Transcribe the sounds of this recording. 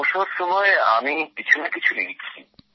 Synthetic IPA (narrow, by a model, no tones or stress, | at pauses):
oʃoɾʃɔmɔea̰mikit͡ɕʰunakit͡ɕʰuneɡit͡ɕʰi